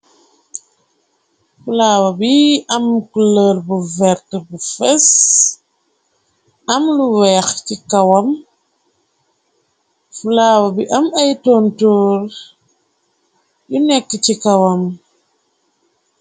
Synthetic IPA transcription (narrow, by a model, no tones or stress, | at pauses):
fulaːwabiɐmkuləɾbuvɛɾtəbufɛs | amluwɛxtikawam | fulaːwɐbiʔamajtɔntɔːɾ | jinɛkːitikawam